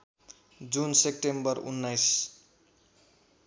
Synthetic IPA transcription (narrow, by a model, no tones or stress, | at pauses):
d͡zunsep̚ʈembʌɾṵnːajs